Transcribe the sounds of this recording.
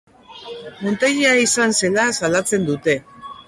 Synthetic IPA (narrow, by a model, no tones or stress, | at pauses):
mo̞nt̪eɣiaisanse̞lasalat͡se̞nd̪ut̪e̞